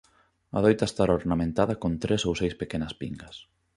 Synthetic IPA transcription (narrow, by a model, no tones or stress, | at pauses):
ɐð̞ojt̪aest̪aɾoɾnamẽnt̪aðɐkont̪ɾesowsejspekenɐspiŋɡɐs